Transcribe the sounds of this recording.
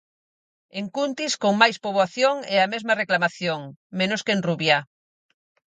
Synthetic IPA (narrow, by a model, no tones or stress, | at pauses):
eŋkunt̪iskoŋmajspoβoaθjoŋeamezmɐreklamaθjoŋmẽnoskenruβja